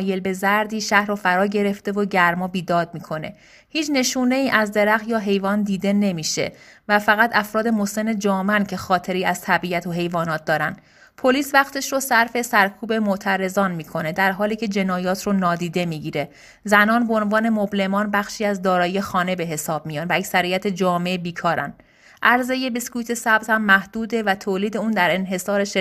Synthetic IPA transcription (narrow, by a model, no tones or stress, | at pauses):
je̞lbe̞zæɾd̪iːʃæhɾofæɾɒːɟe̞ɾe̞ft̪e̞voɟæɾmɒːbiːd̪ɒːd̪̚miːkʰo̞ne̞̰ | hiːt͡ʃʰne̞ʃuːne̞iːʔæzd̪eɾæxjɒːɦe̞jvɒːnd̪iːd̪e̞ne̞miːʃe̞̰væfæɣæt̪æfɾɒːd̪emose̞ne̞d͡ʒɒːmæncʰe̞xɒːt̪ʰe̞ɾiːæz̥t̪ʰæbiæt̪ʰoɦe̞jvɒːnɒːt̪̚d̪ɒːɾænd̪ | pʰo̞liːsvæχt̪ʰe̞ʃɾosæɾfe̞sæɾkʰuːbe̞moʔt̪ʰæɾe̞zɒːnmiːkʰo̞ne̞d̪æɾɦɒːliːcʰe̞d͡ʒe̞nɒːjɒːt̪ʰronɒːd̪iːd̪e̞miːɟiːɾe̞ | zænɒːnbeonvɒːne̞moble̞mɒːnbæxʃiːæzd̪ɒːɾɒːjijexɒːne̞be̞ɦe̞sɒːbmijɒːnvææcsæɾijæt̪ʰe̞d͡ʒɒːme̞biːkʰɒːɾæ̰n | ʔæɾze̞jebeskuːjt̪ʰe̞sæb̚t̪hæmːæhd̪̥uːd̪e̞væt̪ʰoːliːd̪e̞uːnd̪æɾe̞nɦe̞sɒːɾeʃ